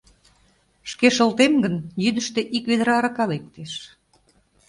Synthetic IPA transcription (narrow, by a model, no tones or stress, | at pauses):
ʃkeʃə̆lt̪emɡənjyd̪əʃt̪ĕʔikβed̪ə̆ɾɑɾɑkɑlek̚t̪eʃ